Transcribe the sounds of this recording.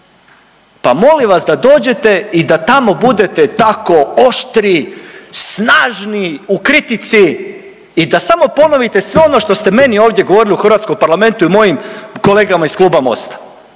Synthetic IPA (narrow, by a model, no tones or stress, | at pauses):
pamo̞liʋasd̪ad̪o̞ːd͡ʑe̞t̪e̞id̪at̪amo̞bud̪e̞t̪et̪ako̞oʃt̪ɾisnaːʒniukɾit̪it̪siː | d̪asamo̞po̞no̞ʋit̪e̞sʋeo̞no̞ʃt̪o̞st̪e̞me̞nio̞ːʋvd̪je̞ɡo̞ʋo̞ɾiliuxr̩ʋat̪skompaɾlame̞nt̪uimo̞jimko̞le̞ːɡamaiskluːbamo̞̰st̪ḁ